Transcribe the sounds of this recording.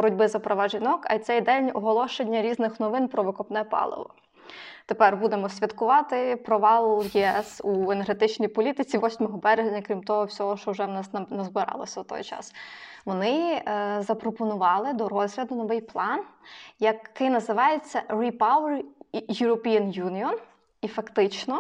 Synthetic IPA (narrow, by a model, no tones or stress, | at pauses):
bɔɾʊdʲbɪzɐpɾɔʋɑʒinɔkɐ̰jt̪sɛjd̪ɛlʲnʲɔɦɔlˠɔʃenʲːɐɾʲiznɪxnɔʋɪnpɾɔʋɪkɔpnɛpɑ̰lˠɪ̰ʋɔ̰ | t̪epɛrbud̪emɔsʲʋʲɐd̪kʊʋɑt̪ɪpɾɔʋɑlˠʊjiɛsueneɾɦet̪ɪt͡ʃnʲijpɔlʲit̪ɪt͡sʲiʋɔsʲmɔɦɔbɛɾeʒʲnʲɐkɾʲimt̪ɔɦɔwsʲɔɦɔʃt͡ʃɔuʒɛʋnɑsnnɐzbɪɾɑ̰lˠɐ̰sʲɐt̪ɔ̰jt͡ʃɑ̰sʋɔnɪzɐpɾɔpɔnʊʋɑlˠɪd̪ɔɾɔzɦlʲɐd̪ʊnɔʋɪjplˠɑnjɐkːɪjnɐzɪʋɑjet͡sʲːɐɾʲipɑwɛrjʊɾɔpʲijɐnjunʲiɔn | ifɐkt̪ɪt͡ʃnɔ